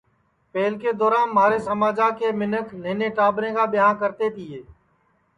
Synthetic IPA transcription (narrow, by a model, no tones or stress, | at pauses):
peːlkeːd̪ɔːɾaːnmaːɾeːsəmaːd͡ʒaːkeːmɪnəkneːneːʈaːbɾẽːkaːɓɪɦãːkəɾt̪eːt̪ʰɪːeː